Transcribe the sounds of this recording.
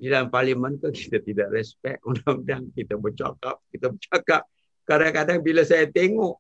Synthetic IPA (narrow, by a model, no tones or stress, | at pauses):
didalamparlimankaki̥t̪at̪idaʔrɛspɛk̪unaŋdaŋkit̪abət͡ʃa̰ka̰p̚kit̪abət͡ʃakap̚ | kadaŋkadaŋbilasajat̪eŋɔʔ